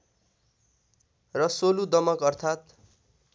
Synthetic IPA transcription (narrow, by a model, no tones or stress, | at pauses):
rʌsolud̪ʌmʌkʌrt̪ʰat̪